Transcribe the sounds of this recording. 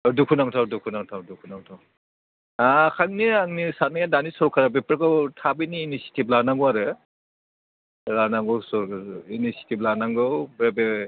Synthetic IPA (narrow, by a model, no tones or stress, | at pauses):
dukʰunaŋtʰawdukʰunaŋtʰawdukʰunaŋtʰaw | akʰaŋniaŋnisanaŋjadanisɔɾɔkʰaɾabepɾekɯwtʰabiniːnisi̥tʰib̚laɾnaŋɡɔaɾɯ | laɾnaŋɡɔwsɔɾinisi̥tib̚laɾnaŋɡɯwbɾebe